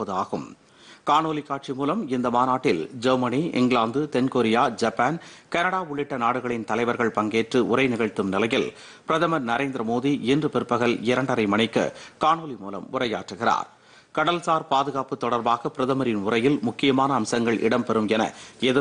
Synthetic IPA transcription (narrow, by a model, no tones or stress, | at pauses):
pːɐðɯaːɣɯm | kaːnoːlikːaːʈt͡ʃimuːlɐmɪnd̪ɐmaːnaːʈːɪld͡ʒɐɾmɐniɪ̰ŋɡɭaːnd̪ɯt̪ɛnkoːɾɪjaːd͡ʒɐpːaːnkɐnɐɽaːʊɭːɪʈːɐnaːɽɯɣɐɭɪnt̪ɐlɐɪʋɐɾɣɐɭpɐŋɡeːʈrɯʔʊrɐɪnɪɣɐɻt̪ːɯmnɪlɐjɪl | pɪɾɐðɐmɐɾnɐɾeːnd̪ɾɐmoːðiʔɪndrɯpɪɾɯpːɐɣɐɭɪɾɐɳɖɐɾɐɪmɐɳɐɪkːɐ̰kaːnoːlimuːlɐ̰mʊrɐja̰ːʈrɯɣɪra̰ːɾ | kɐɽɐlsaːɾpaːðɯɣaːpːɯt̪ːɔɽɐɾbaːɣɐpɪɾɐðɐmɐɾɪnʊrɐjɪlmʊkːɪjɐmaːnɐːmsɐŋɡɐɭʔɪ̰ɽɐmpɛɾɯmɛnɐ̰ɛðɯ